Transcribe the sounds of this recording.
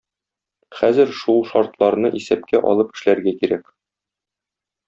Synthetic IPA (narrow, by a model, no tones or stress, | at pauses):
χæzɘɾʃulˠʃɒɾt̪lˠɑɾnɤʔisæp̚kʰæʔɒ̰lˠɤpɘ̥̆ʃlæɾɡækiɾæk